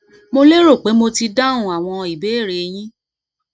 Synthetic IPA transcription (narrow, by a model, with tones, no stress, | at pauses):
mo˧le˦ɾo˦˨k͡pe˨˦mo˧ti˧dã˦ũ˨a˨w̃ɔ̃˧i˨be˨˦e˦˨ɾe˨˧j̃ĩ˦